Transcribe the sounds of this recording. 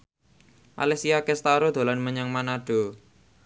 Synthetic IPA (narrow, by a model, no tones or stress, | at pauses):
ʔa̰lɛsiakest̪aɾod̪̥o̤lanməɲaŋmanaɖ̥o̤